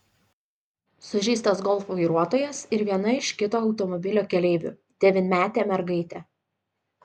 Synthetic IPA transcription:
sʊʒʲiːst̪ɐsɡɔlˠfʋɐɪɾuɔt̪oːjɛsɪɾʋʲiɛnɐɪʃʲkʲɪt̪oːɒʊt̪ɔmɔbʲɪlʲoːkʲɛlʲeɪʋʲʊ̰ː | d̪̥ʲɛʋʲɪnʲmʲæːt̪ʲeːmʲɛɾɡɐɪt̪ʲɛː

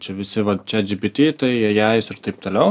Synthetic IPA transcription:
t͡ʃʲɛʋʲɪsʲɪʋɐt͡ʃʲɛd͡ʒʲɪbʲɪt̪ʲeːt̪ɐɪjɛjæːjɪsɪɾt̪ɐɪp̚t̪oːlʲɛʊ

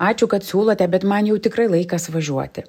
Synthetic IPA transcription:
ɑːt͡ʃʲʊkɐt̪sʲuːlˠot̪ʲɛbʲɛt̪mɐnjɛʊt̪ʲɪkɾɐɪlˠɐɪkɐsʋɐʒʲuɔt̪ʲɪ

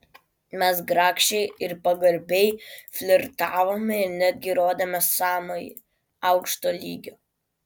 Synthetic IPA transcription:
mʲɛs̬ɡɾɑːkʃʲt͡ʃʲɛɪɪɾpɐɡɐɾʲbʲɛɪfʲlʲɪɾt̪ɑːʋoːmʲɛɪɾnʲæd̪ʲɡʲɪɾoːd̪ʲɐmʲɛsɑːmo̰ḭ | ɐʊkʃt̪oːlʲḭːɡʲoː

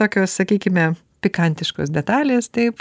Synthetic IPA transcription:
oːkʲoːssɐkʲiːkʲɪmʲɛ | pʲɪkɐnʲt̪ʲɪʃko̰ːsd̪ʲɛt̪ɑːlʲeːst̪ɐɪp

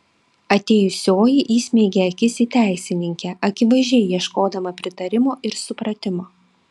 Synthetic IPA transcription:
ɐt̪ʲeːjʊsʲoːjɪʔiːsʲmʲɛɪɡʲeɐkʲɪsʲit̪ʲæˑɪsʲɪnʲɪŋʲkʲɛʔɐkʲɪʋɐɪʒʲɛɪjiɛʃkoːd̪ɐmɐpʲɾʲɪt̪ɐɾʲɪmoːʔɪɾsʊpɾɐt̪ʲɪmoː

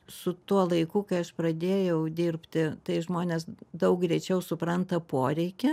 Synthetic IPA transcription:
sʊt̪uɔlˠɐɪkukɐɪɐʃprɐd̪ʲeːjɛʊd̪ʲirʲpʲt̪ʲɪt̪ɐɪʒmoːnʲeːsd̪ɐʊk̚ɡɾʲɛɪt͡ʃʲɛʊsʊpɾɐnt̪ɐpoːɾʲɛɪkʲɪ

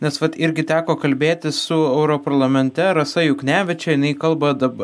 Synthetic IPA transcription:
nʲɛsʋɐt̪ɪɾʲɡʲɪt̪ʲæːkoːkɐlʲbʲeːt̪ʲɪssʊɛʊɾoːpɐɾlˠɐmʲɛnʲt̪ʲɛɾɐsɐjʊknʲæːʋʲɪt͡ʃʲɛjɪnɐɪkɐlˠbɐd̪ɐbɐ

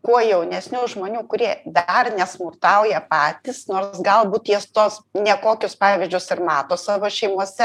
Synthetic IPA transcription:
kuɔjɛʊnʲɛsʲnʲʊʒmoːnʲuːkʊɾʲiɛd̪ɐrnʲɛsmʊrt̪ɐʊjɛpɑːt̪ʲisnoːrsɡɐlˠbuːt̪jist̪oːsnʲɛkoːkʲʊspɑːʋʲɪzʲd͡ʒʲʊsɪrmɑːt̪oːsɑʋoːʃʲɛɪmuɔsʲɛ

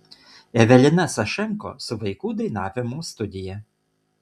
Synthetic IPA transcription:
ɛʋʲɛlʲɪnɐsɐʃʲɛŋko̰ːsʊʋɐɪkuːd̪ɾʲɪnɑːʋʲɪmuːst̪ʊd̪ʲɪjɛ

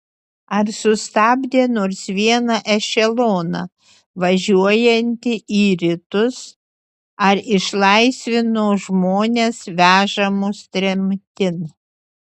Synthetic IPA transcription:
ɐɾsʊst̪ɑːbʲd̪ʲeːnoːɾsʋʲiɛnɐʔɛʃʲɛlˠoːnɐ̰ | ʋɐʒʲuɔjɛnʲt̪ʲɪʔiːɾʲɪt̪ʊs | ɐɾɪʃlˠɐɪsʲʋʲɪnoːʒmoːnʲeːsʋʲæːʒɐmʊst̪ʲɾʲɛmʲt̪ʲɪn

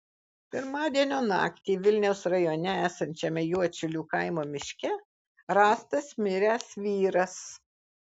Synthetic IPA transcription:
pʲɪɾmɑːd̪ʲiɛnʲoːnɑ̰ːkt̪ʲiːʋʲɪlʲnʲɛʊsɾɐjoːnʲɛæːsɐnʲt͡ʃʲɛmʲɛjuɔt͡ʃʲʊlʲuːkɐɪmoːmʲɪʃʲkʲɛ | ɾɑːst̪ɐsmʲɪɾʲæsʋʲiːɾɐs

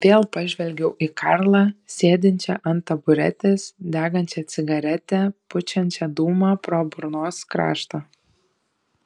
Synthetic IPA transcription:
ʋʲeːlˠpɐʒʲʋʲɛlʲɡʲɛʊʔikʰɑɾlˠɑːsʲeːd̪ʲɪnʲt͡ʃʲɛʔɐnt̪ɐbʊɾʲɛ̰t̪ʲeːsd̪ʲæːɡɐnʲt͡ʃʲɛt̪sʲɪɡɐɾʲɛt̪ʲɛpʊt͡ʃʲɛnʲt͡ʃʲɛd̪uːmɑpɾoːbʊɾnoːskɾɑ̰ːʃt̪oː

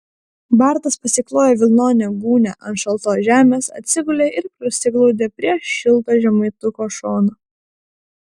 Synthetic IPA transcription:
bɑˑɾt̪ɐspɐsʲɪklˠoːjɛʋʲɪlˠnoːnʲɛɡuːnʲɛ̰ʔɐnʃɐlˠˑt̪oːʒʲæːmʲeːsɐ̰t̪ʲsʲɪɡʊlʲeːʔɪɾkɾʊsʲɪɡlˠɒʊd̪ʲeːpʲɾʲiɛʃʲɪlˠt̪oːʒʲɛmɐɪt̪ʊkoːʃoːno

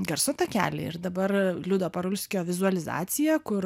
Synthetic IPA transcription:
ɡɐɾsʊt̪ɐkʲæ̰ːlʲɪ̰ɪ̰ɾd̪ɐbɐrlʲʊd̪oːpɐɾʊlʲsʲkʲoːʋʲɪzʊɐlʲɪzɑ̰ːt̪sʲɪjæːkʊɾ

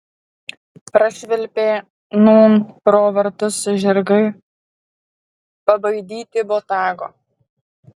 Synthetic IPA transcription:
pɾɐʃʲʋʲɛlʲpʲeː | nuːnpɾoːʋɐɾt̪ʊsʒʲɛɾɡɐɪ | pɐbɐɪd̪ʲiːt̪ʲɪboːt̪ɑːɡo̰ː

